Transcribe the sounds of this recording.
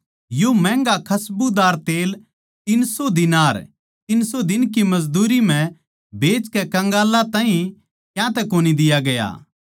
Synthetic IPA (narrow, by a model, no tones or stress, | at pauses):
jomɛ̃ːŋɡakʰɐsbud̪aːɾt̪eːl | t̪ɪnsod̪ɪnaːɾ | t̪ɪnsod̪ɪnkimɐzd̪uːɾim̤ɛ̃ | beːt͡ʃkɛkɐ̃ŋɡaːlat̪ãːĩ | kjãt̪ɛkoːnid̪ɪjaɡɐja̰ː